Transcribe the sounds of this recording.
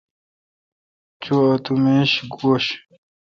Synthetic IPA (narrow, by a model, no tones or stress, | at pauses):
t͡ɕoɐt̪umeɕɡoːɕ